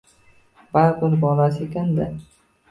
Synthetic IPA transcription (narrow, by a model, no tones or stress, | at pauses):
baɾbɪɾbɒlasɪekʲand̪ɪ